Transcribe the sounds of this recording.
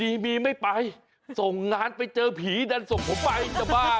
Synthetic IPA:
diː˧miː˧ma˥˩jpa˧j | so˨˩ŋŋaː˧npa˧jt͡ɕɤː˧pʰiː˩˦da˧nso˨˩ŋpʰo˨˦mpa˧ji˧˦t̪a˨˩baː˥˩

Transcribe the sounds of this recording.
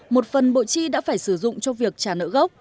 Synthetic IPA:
mo˨˩t̚fə˨˩nɓo̰˧˨t͡ɕi˧ɗa̰ː˧˥faː˧˩jsɨ˧˩zʊ̰˧˨ŋ͡mt͡ɕɔ˧vi˨˩ək̚t͡ɕaː˧˩nə̰ː˧˥ɣə˦˥wk͡p̚

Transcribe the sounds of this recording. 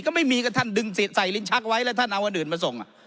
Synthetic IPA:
kɔː˥˩ma˥˩jmiː˧kʰa˥˩t̪ʰa˥˩ndɯ˧ŋsi˨˩sa˨˩jli˦˥nt͡ɕʰa˦˥k̚wa˦˥jlɛ˦˥t̪ʰa˥˩nʔa˧wʔa˧nʔɯː˨˩nmaː˧so˨˩ŋʔa̰˨˩

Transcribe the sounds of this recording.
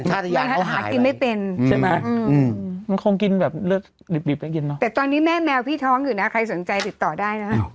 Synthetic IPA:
kʰaː˥˩˧ja˧nha˨˧˦ɦa̰ː˩˦˩ki˧nma˥˩jpe˧nʰa˥˩jma˦˥ʔɯ˧ma˧nkʰo˧ŋki˧nbɛː˨˩p̚lɯ˥˩ək̚ | di˨˩p̚di˨˩p̚ːa˧˩ki˧nːɔ˦˥ɛː˨˩t̪ɔː˧nːiː˦˥mɛː˥˩mɛː˧wpʰiː˥˩t̪ʰɔː˦˥ŋjɯː˨˩na˦˥kʰa˧jso˩˦nt͡ɕa˧jt̪i˨˩t̪ːɔː˨˩daː˥˩jna˦˥

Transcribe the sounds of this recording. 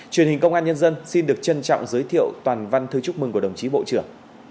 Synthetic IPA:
t͡ɕwi˨˩nhï˨˩ŋ̟kə˧wŋ͡mʔaː˧nɲə˧nzə˧nsi˧nɗɨ˨˩ək̚t͡ɕə˧nt͡ɕɔ̰˧˨wŋ͡mzəː˨˦jt̪ʰḭ˧˨əwt̪waː˨˩nva˧nt̪ʰɨ˧t͡ɕʊ˦˥k͡p̚mɨ˨˩ŋkəɗə˨˩wŋ͡mt͡ɕi˨˦ɓo̰˧˨t͡ɕɨ˧˩əŋ

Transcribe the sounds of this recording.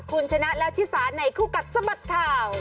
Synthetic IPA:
kʰu˧nt͡ɕʰa˧na˦˥ʔla˦˧˥t͡ɕ̪ʰi˦˥saː˨˦n̚na˧˩jkʰuː˥˩ka˨˩t̪̚sa˧ba˨˩t̪̚k̪ʰaː˧w

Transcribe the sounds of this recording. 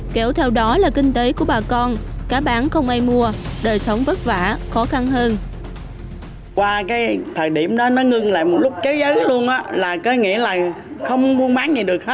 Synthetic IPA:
ke˧˩wt̪ʰɛ˧wɗɔ˨˦laː˨˩kï˧ŋ̟t̪e˨˦ku˧˩əɓaː˨˩kɔ˧nkaː˨˦ɓaː˨˦nxə˧wŋ͡mʔaː˧jmu˧əɗəː˨˩jsə˨˦wŋ͡mvə˦˥t̚va̰ː˧˨xɔ˨˦xa˧nɦəː˧n | kwaː˧kaː˨˦jt̪ʰəː˨˩jɗḭ˧˩əmɗɔ˨˦nɔ˨˦ŋɨ˧ŋla̰ː˧˨jmo˨˩t̚lʊ˦˥k͡p̚ke˨˦wzə˨˦jlu˧ənʔaː˨˦laː˨˩kɔ˨˦ŋḭ˧˥əlaː˨˩ | xə˧wŋ͡mmu˧ənɓaː˨˦ŋzi˨˩ɗɨ˨˩ək̚he˦˥

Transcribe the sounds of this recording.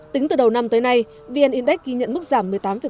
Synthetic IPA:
t̪ï˨˦ŋ̟t̪ɨ˨˩ɗə˨˩wna˧mt̪əː˨˦jna˧j | vi˧ʔɛ˧nʔi˧ənɗa˦˥k̚kːi˧ɲə̰˧˨nmɨ˦˥k̚z̥aː˧˩mːɨ˨˩əjt̪aː˨˦mvi˧˨˩

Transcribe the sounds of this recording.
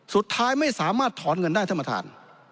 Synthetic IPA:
su˨˩t̪ʰːaː˥jma˥˩jsaː˩˦maː˥˩t̪ʰːɔː˩˦nŋɤ˧ndaː˥˩jt̪ʰa˧ma˧t̪ʰa̰ː˧n

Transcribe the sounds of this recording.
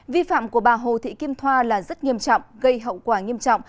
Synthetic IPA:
vi˧fa̰ː˧˨mku˧˩əɓaː˨˩ɦo˨˩t̪ʰḭ˧˨ki˧əmt̪ʰwaː˧laː˨˩zə˦˥t̚ŋi˧əmt͡ɕɔ̰˧˨wŋ͡mɣə˧jɦə̰˧˨wkwaː˧˩ŋi˧əmt͡ɕɔ̰˧˨wŋ͡m

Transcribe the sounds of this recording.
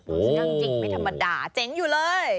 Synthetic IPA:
ʔo˧ɔ˧˩˧t͡ɕi˨˩ŋ̚ma˧jt̪ʰa˧mːa˧daː˨˩t͡ɕe˦˥ŋjuː˨˩lɤː˧j

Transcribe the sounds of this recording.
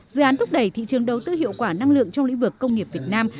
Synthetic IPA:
zɨ˨ʔaː˨˦nt̪ʰʊ˦˥k͡p̚ɗə˧˩jt̪ʰḭ˧˨t͡ɕɨ˨˩əŋɗə˨˩wt̪ɨ˧hḭ˧˨əwkwaː˧˩na˧ŋlɨ̰˧˨əŋt͡ɕɔ˧wŋ͡mḭ̟˧˥vɨ˨˩kːə˧wŋ͡mŋi˨˩əp̚vi˨˩ət̚naː˧m

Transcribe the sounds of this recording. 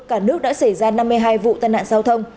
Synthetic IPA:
kaː˧˩nɨ˦˥ək̚ɗa̰ː˧˥sa˧˩jzaː˧na˧mːɨ˧əjɦaː˧jvṵ˧˨t̪aː˧jna̰ː˧˨nzaː˧wt̪ʰə˧wŋ͡m

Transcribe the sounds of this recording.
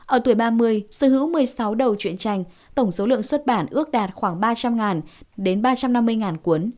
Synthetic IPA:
ʔəː˧˩t̪u˧˩jɓaː˧mɨ˧əjsɨ˧˩ɦɨ̰˧˥wmɨ˨˩əjsa˨˦wɗə˨˩wt͡ɕwḭ˧˨ənt͡ɕa˧˩jŋ̟ | t̪ə˧˩wŋ͡mso˨˦lɨ̰˧˨əŋswə˦˥t̚ɓaː˧˩nʔɨ˦˥ək̚ɗaː˨˩t̚xwaː˧˩ŋɓaː˧t͡ɕa˧mŋaː˨˩nɗe˨˦nɓaː˧t͡ɕa˧mna˧mːɨ˧əjŋaː˨˩nku˨˦ən

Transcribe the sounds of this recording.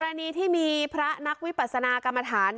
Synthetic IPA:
ɾa˧niː˧t̪ʰiː˥˩miː˧pʰɾa˦˥na˦˥k̚wi˦˥pa˨˩t̪̚sa˧naː˧ka˧mːa˧t̪ʰaː˩˦n

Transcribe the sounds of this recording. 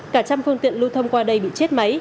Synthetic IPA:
kaː˧˩t͡ɕa˧mfɨ˧əŋt̪ḭ˧˨ənlu˧t̪ʰə˧wŋ͡mkwaː˧ɗə˧jɓḭ˧˨t͡ɕe˦˥t̚ma˨˦j

